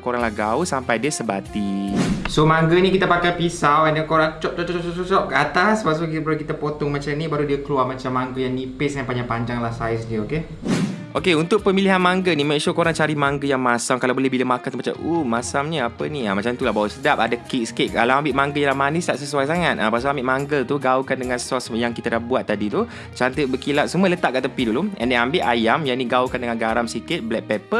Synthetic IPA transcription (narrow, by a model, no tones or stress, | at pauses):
koɾaŋlahɡauhsampajdiəsəbat̪isomaŋɡənikit̪əpakajpisawɛndəkoɾaŋt͡ʃɔʔ̚t͡ʃɔʔt͡ʃɔʔt͡ʃɔʔt͡ʃɔʔt͡ʃɔʔkəat̪aspas̬ukibɾkit̪apot̪ɔŋmat͡ʃamnibaɾudiəkəluaʔmat͡ʃamːaŋɡəjaŋnipɪsɡanpaɲapaɲd͡ʒaŋlahsajsdiəoke | ʔokeunt̪ʊk̚pəmiliɦanmaŋɡənimɛ̃ʔʃukoɾaŋt͡ʃaɾimaŋɡəjaŋmasamkalawbolɛhbilamakant̪umat͡ʃa̰mʔumasamɲəapəniamat͡ʃamt̪ulaɦbawəsədap̚adakik̚sə̥keʔkalaambɪʔmaŋɡəjalahmanisaʔsəsuajs̬aŋat̪̚ʔapas̬aambɪʔmaŋɡəlt̪uɡaukandəŋãnssɔsjaŋkit̪adahbuat̪ːadit̪u | t͡ʃant̪ət̪̚bəkilat̪̚sumələt̪aʔkaʔt̪əpiduluɛ̰ndeambɪʔajamjaniɡaukandəŋanɡaɾamsikɪt̪̚blɛk̚pɛpə